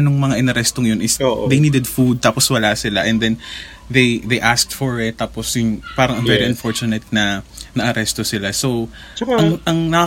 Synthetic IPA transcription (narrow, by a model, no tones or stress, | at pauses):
noŋmɐŋaʔɪnɐɾɛst̪oŋjonɪsod̪ejniːd̪ɛd̪fud̪̚t̪aːposwɐlaːsɪlaʔɛ̃nd̪ɛn | ðejd̪ejʔask̚t̪fɔɹɪt̪̚ːaːposjʊnpaːɾɐŋɐŋvɛɾiʔɐnfoɹt͡ʃʊnɛt̪̚nɐnɐʔɐɾɛst̪osɪlaso̞w | t͡ʃɐŋʔɐŋnɐa